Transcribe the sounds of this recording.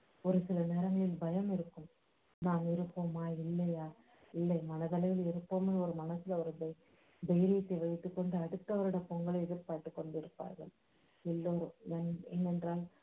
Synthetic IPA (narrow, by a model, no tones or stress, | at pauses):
ɔɾɯsɪlɐneːɾɐŋɡɐɭɪlbɐjɐmɪɾɯkːɯm | naːmɪɾɯpːoːmaːɪlːɐjaː | ɪlːɐjmɐnɐðɐlɐjɪlɛɾɯpːoːmɐɭɔɾɯmɐnɐsɪlɐɐɾɯdɐj | b̪ɐjɾijɐt̪ːeʋɐɪt̪ːɯkːɔɳɖɯɐɽɯt̪ːɐʋɐɾɯɽɐpɔŋɡɐɭɐɛðɪɾpaːʈːɯkːɔɳɖɪɾɯpːa̰ːɾɣɐ̰ɭ | ɛlːoːɾɯmɛnɛnːɛndraːl